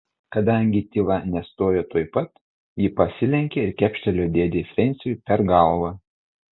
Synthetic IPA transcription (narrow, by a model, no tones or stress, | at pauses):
kɐd̪ɐˑŋʲɡʲɪt̪ʲiːʋˠɑnʲɛst̪oːjoːt̪oːjpɐt̪ | jɪpɐsʲɪlʲɛŋʲkʲeɪɾkʲæpʲʃʲt̪ʲɛlʲoːd̪ʲeːd̪ʲeːfʲɾʲɛnʲˑsʲɪjʊpʲɛɾɡɐlˠʋɐ